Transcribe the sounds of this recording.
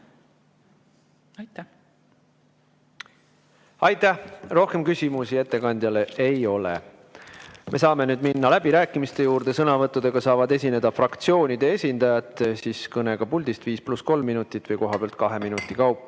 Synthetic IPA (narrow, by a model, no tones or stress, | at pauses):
ɑjt̪ːæhro̞hke̞mkysʲimusie̞t̪ːe̞kɑnʲd̪jɑle̞ʔejo̞lḛ | mʔe̞sɑːme̞nyːd̪̥minːɑlæb̥iɾæːkːˑimist̪e̞juːɾd̪̥e̞sɤnɑvɤt̪ːˑud̪̥e̞ɡ̥ɑsɑːvɑd̪e̞sʲine̞d̪̥ɑfrɑkt̪sio̞ːnʲid̪̥e̞e̞sʲind̪ɑjɑt̪ːˑsiːskɤne̞ɡ̥ɑpulʲd̪̥ist̪viːsplusko̞lmːinut̪ːˑit̪ːˑvɤjko̞ɦɑb̥eɑlt̪̚kɑɦe̞minut̪ːˑikɑwpːˑ